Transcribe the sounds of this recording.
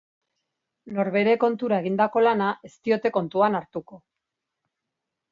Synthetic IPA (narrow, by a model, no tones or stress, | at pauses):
no̞ɾβe̞ɾe̞ko̞nt̪uɾae̞ɣind̪ako̞lanaʔe̞st̪io̞t̪e̞ko̞nt̪uanaɾt̪uko̞